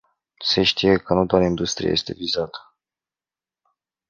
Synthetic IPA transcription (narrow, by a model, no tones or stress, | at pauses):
se̞ʃt̪ije̞kənut̪oat̪əind̪ust̪ɾḭja̰jest̪e̞̰vizat̪ə̥